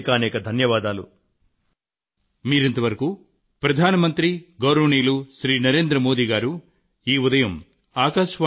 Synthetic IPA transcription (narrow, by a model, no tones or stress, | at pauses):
kaːnɛːkɐd̪ʱɐnjɐʋaːd̪aːlṵ | miːɾent̪ɐʋɐɾɐku | pɾɐd̪ʱaːnɐmɐnt̪ɾiɡɐwɾɐʋɳiːluʃɾiːnɐɾe̞ːnd̪ɾɐmoːd̪iːɡaːɾu | iːud̪ɐjɐm | aːkaːʂʋaː